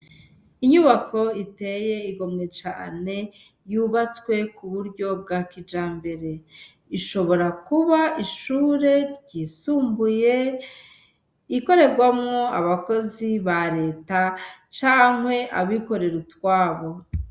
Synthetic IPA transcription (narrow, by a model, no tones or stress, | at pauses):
iɲuβako̞ite̞je̞iɡo̞mŋet͡ʃa̰ːne̞ | juβat͡skwe̞kuβuɾɟo̞b̚ɡakid͡ʒaːmbe̞ɾe̞ | iʃo̞βo̞ɾakuβaiʃuːɾe̞ɾɟisuːmbuje̞ | iko̞ɾe̞ɾɡwamŋoaβako̞ziβaɾe̞ːtat͡ʃaːŋ̥we̞ʔa̰βiko̞ɾe̞ɾutwaːβo̞